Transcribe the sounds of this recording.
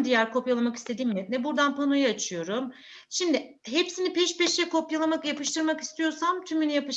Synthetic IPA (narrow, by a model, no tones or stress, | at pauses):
d̪ijæɾkʰo̞pjalˠamaki̥st̪ʰe̞d̪iːmjɛt̪nɛbuɾd̪anpʰanujaat͡ʃʰɯjo̞ɾum | ʃimd̪ɪ | ɦepsinipʰɛʃpɛʃjɛko̞pjalˠamakjapɯʃt̪ʰɯɾmaki̥st̪ʰijo̞ɾsamt̪ʰymynijapɯʃ